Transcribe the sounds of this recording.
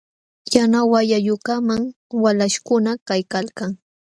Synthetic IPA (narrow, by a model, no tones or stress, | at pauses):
janawajajʊkamaŋ | walaʃkʊnakajkalkaŋ